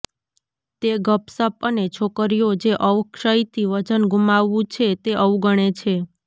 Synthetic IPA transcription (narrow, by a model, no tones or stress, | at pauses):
t̪eɡəpsəpənet͡ʃʰokəɾijod͡ʒeʔəʋkʃəjt̪ʰiʋəd͡ʒənɡumaʋːũt͡ʃʰet̪eʔəʋũɡəɽ̃et͡ʃʰe